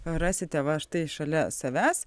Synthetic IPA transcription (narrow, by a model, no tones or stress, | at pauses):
ɾɑːsʲɪt̪ʲɛʋɐʃt̪ɐɪɪʃɐlʲɛsɐʋʲæːs